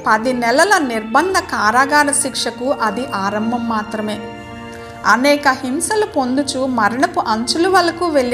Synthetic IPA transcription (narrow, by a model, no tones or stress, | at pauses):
pɐd̪inɛlɐlɐniɾbɐnd̪ʱɐkaːɾaːɡaːnɐʃikʂɐkuʔɐd̪iʔaːɾɐmbʱɐmːaːt̪ɾɐme̞ː | ɐnɛːkɐhimsɐlupo̞nd̪ut͡ʃumɐɾɐɳɐpuʔɐɲt͡ʃuluʋɐlɐkuːʋelː